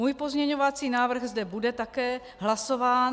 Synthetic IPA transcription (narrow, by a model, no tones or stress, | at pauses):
muːjpozmɲɛɲovat͡siːnaːvr̩ɣzdɛbudɛt̪akɛː | ɦlaso̞vaːn